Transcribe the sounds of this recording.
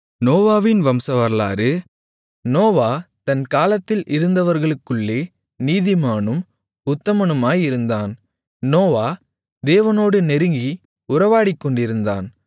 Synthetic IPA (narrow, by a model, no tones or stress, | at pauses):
noːʋaːʋɪnʋɐmsɐʋɐɾla̰ːɾɯ | noːʋaːt̪ɐnkaːlɐt̪ːɪlʔɪɾɯnd̪ɐʋɐɾɣɐɭɯkːɯɭːeː | niːðɪmaːɳɯm | ʊt̪ːɐmɐnɯmaːjɪɾɯnd̪aːn | noːʋaː | d̪eːʋɐnoːɽɯnɛɾɯŋɡi | ʊɾɐʋaːɽɪkːɔɳɖɪɾɯnd̪a̰ːn